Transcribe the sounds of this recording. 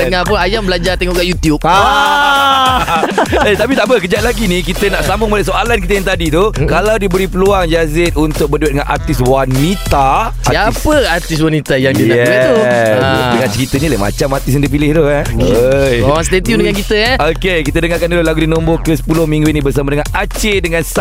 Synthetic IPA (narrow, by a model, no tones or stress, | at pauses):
dəŋapʊnajambəlad͡ʒart̪ɛŋɔʔɡaʔjut̪jup̚a | et̪apit̪aʔbəkəd͡ʒaʔ̪̚laɡinikit̪ənaʔsambʊŋmalaʔsoalankit̪əjaŋt̪adit̪ukalawdiəbəɾipəluaŋd͡ʒazɪt̪̚unt̪ʊk̚bərduat̪̚dəŋanʔa̰rt̪ɪswanit̪a | saəart̪is̬wanit̪ajaŋdijaɛau | dəŋãnt͡ʃəkit̪əɲĩləma̰t͡ʃamart̪is̬jaŋdiəp̬ilɪht̪u | jawãst̪et̪iumdəŋankit̪əaokekit̪ədəŋakanulolaɡudinõmbokəsə̥pulʊhmĩŋɡuinĩbərs̬amadəŋanʔat͡ʃedəŋãns